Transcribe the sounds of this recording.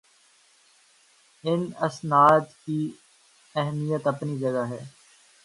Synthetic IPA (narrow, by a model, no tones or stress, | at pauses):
ɪnɐsnaːt̪ki | ɛɦmijət̪ɐpnid͡ʒɐɡaɦɛː